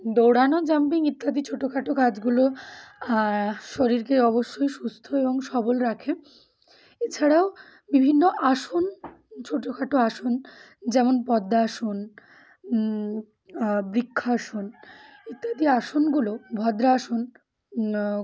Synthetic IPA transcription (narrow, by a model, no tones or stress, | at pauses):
d̪owɽanod͡ʑɛmp̬iŋit̪ːad̪it͡ɕʰoʈːokʰaʈokad͡ʑɡulo | ʃoɾiɾkeɔβoʃːojʃust̪ʰoeboŋʃɔbolɾakʰe | et͡ɕʰaɽao | bibʱinːoʔaʃon | t͡ɕʰoʈːokʰaʈoaʃon | d͡ʑɛmonpɔd̪ːaːʃon | bɾikʰːaaʃon | it̪ːad̪iaʃonɡulobʱɔd̪ɾaːʃon